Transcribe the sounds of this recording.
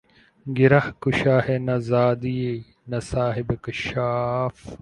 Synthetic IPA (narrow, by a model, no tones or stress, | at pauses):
ɡɪɾɐhkuʃaːhenɐzaːd̪ie | nɐsaːɦɪbkɐʃaːf